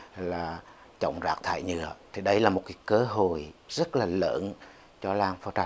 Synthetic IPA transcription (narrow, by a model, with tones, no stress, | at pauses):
laː˨˩ | t͡ɕə̰˧˨wŋ͡mzaː˨˩k̚t̪ʰa̰ː˧˨jɲɨ̰˧˩ət̪ʰi˨˩ɗə˧jlaː˨˩mo˨˩t̚kaː˨˦kəː˨˧˦ɦo˨jz̥ə˦˥t̚laː˨˩lə̰ː˧˥n | t͡ɕɔ˧laː˧ŋfɔ˧˦t͡ɕa˨˦˩